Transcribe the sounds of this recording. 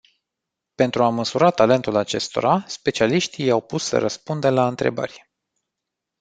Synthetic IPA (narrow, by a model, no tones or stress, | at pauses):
pe̞nt̪ɾuaməsuɾat̪ale̞nt̪ulat͡ʃe̞st̪o̞̰ɾaspe̞t͡ʃialiʃt̪ijawpusːə̰ɾəspund̪əlaɨnt̪ɾe̞̰bə̰rʲ